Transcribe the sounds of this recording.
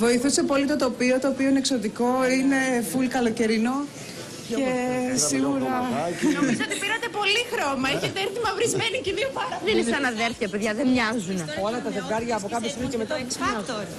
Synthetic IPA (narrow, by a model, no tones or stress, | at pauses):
vo̞iθuse̞po̞lit̪o̞t̪o̞pio̞t̪o̞ːpio̞inekso̞t̪iko̞ine̞fulkɐloce̞ɾino̞ | ce̞siɣuɾɐ | sot̪ipiɾɐt̪epo̞lixɾomɐeçet̪eeɾθimɐvɾizmeniciðiofɐɾɐenisɐnɐðeɾθçɐpeðʝɐðenɲɐzuneolɐt̪ɐðevɡɐɾʝɐːpokɐpost̪imicemet̪ɐssɐt̪oɾ